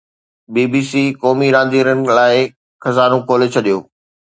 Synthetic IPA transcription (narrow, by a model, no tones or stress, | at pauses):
biːbiːsiːkɔːmiɾãːnd̪iːɾənɪ̆laːɪ | xɐzaːɾõkoːlet͡ɕʰɐɗijoː